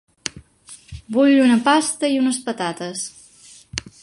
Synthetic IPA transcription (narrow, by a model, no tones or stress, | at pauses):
buʎunəpast̪əiunəspət̪at̪əs